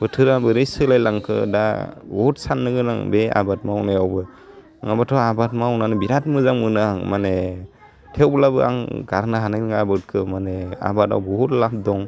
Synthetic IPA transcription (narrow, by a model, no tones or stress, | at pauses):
bɯtʰɯɾabɯɾejsɯlajlaŋkʰɯ̰dabɔutsanːɯɡɯna̰ŋbea̰bat̚mawnajawbɯ | ŋabatʰɔabatmawnanɯbiɾat̚mɯzaŋmɯnɯŋmane | tʰewblabɯa̰ŋɡaɾnaɦanajnɯŋaabɯt̚kʰɯmanea̰bata̰wbɔhutlap̚dɔŋ